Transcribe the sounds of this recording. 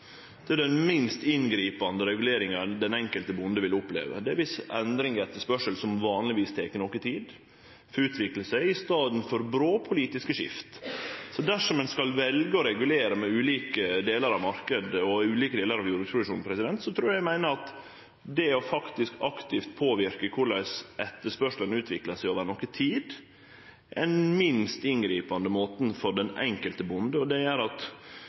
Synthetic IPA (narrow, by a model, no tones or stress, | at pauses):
d̪̥ɛd̪ɛnmɪnst̪ɪnɡɾiːpɑnd̪əɾɛɡʉleːɾɪŋəd̪ɛnɛŋkəlt̪əbʊnd̪əʋɪlʊplḛːʋə̰d̪ɛæɾʋɪsɛnd̪ɾɪŋɛt̪ːəʂpœʂəlsɔmʋɑːnlɪʋiːst̪ʰeːkənɔkət̪ʰiːd̪ | fɔɾʉːt̪ʰʋɪkləsæɪɪst̪ɑːd̪n̩fɔɾbɾoːpʰʊliːt̪ɪskəʂɪ̰ft̪sɔd̪æʂɔmɛnskɑlʋɛlɡəɔɾɛɡʉleːɾəmɛʉːliːkəd̪eːləɾɑʋmɑɾkəd̪ɔʉːliːkəd̪eːləɾɑʋjuːɾʉspʰɾʊd̪ʉʂuːnpʰɾɛsɪd̪ɛnt̪sɔt̪ʰɾuːɾjæɡmæɪnəɾɑt̪ | d̪ɛɔfɑkt̪ɪskɑkt̪ɪft̪̚pʰoːʋɪɾkəkʰʊɭæɪsʔɛt̪ːəʂpœʂlənʉːt̪ʰʋɪklɑsæɪoːʋəɾnɔkət̪ʰiːd̪ | ʔɛnmɪnst̪ɪnɡɾiːpɑnd̪əmoːt̪n̩fɔɖɛnɛ̰ŋkəlt̪əbʊnd̪əɔd̪ɛjæɾɑt̪